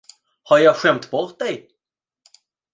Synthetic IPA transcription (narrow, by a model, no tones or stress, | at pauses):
haɾjɑːɡɧɛmt̪bɔɾt̪̚d̪ɛj